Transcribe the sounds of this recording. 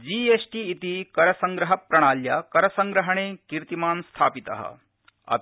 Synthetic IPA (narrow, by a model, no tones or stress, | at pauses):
d͡ʒiːeːsʈiːt̪ikɐɾɐsɐŋɡɾɐɦɐpɾɐɽ̃aːljakɐɾɐsɐŋɡɾɐɦɐɳ̃eːkiɾt̪imaːnst̪ʰaːpit̪ɐ̰ɦɐ̰ | ɐ̰